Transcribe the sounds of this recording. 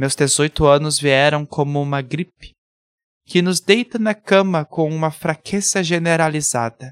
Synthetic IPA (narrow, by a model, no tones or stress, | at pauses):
mewzd̪ezojt̪ʊɐ̃nʊzviɛɾɐ̃w̃kʰõmʊũmɐɡɾipɪ̥ | kɪnʊzd̪ejt̪ɐnɐkɐ̃mɐkõw̃ũmɐfɾakʰez̥ɐʒeneɾaliza̰d̪ɐ